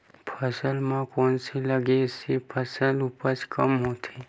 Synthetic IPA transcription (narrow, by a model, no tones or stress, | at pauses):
pʰəsəlmãkɔːnseləɡeɪsepʰəsəlupəɾt͡ʃkəmɦoːt̪ʰe